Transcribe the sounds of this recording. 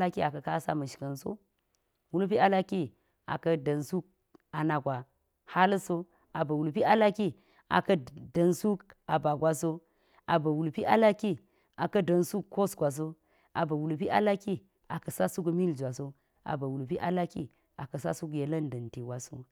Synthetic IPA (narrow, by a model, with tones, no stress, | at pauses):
la˦ki˦a˨kɐ˨ka˦sa̰˦mə˨ʃkə˨nso̰˦ | wu˦lpi˦a˦la˦ki˦ | a̰˨kɐ˦də˨nsu˦k̚ | a˨na˨ɡʷa˨ | ha˦lso˦ | a˨bə˨wu˨lpi˦ʔa˦la˦ki˦ | a̰˨kɐ˦də˨nsu˦ka˨ba˨ɡʷa˦so˦ | ʔa̰˨bə˨wu˨lpi˦ʔa˦la˦ki˦ | a˨kɐ˦də˨nsu˦kːo˦sɡʷa˨s̬o˦ | a̰˨bə˨wu˨lp̬i˦ʔa̰˦la˦ki˦ | a˨kə˨sa˦su˦k̬mi˦ld͡ʒʷa˨so˦ | a̰˨bə˨wu˨lpi˦ʔa̰˦la˦kḭ˦ | a̰˨kɐ˨sa̰˦su˦k̬je˨lə˦ndə˨nti˨wa˨so̰˦